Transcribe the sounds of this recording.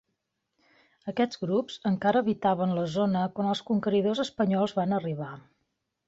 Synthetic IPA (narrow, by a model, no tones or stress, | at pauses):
əkɛd͡zɣɾupz̥əŋkaɾəːβit̪aβ̞ənləzonəkwanəlˠskuŋkəɾiðozəspəɲɔlˠzβanəriβ̞a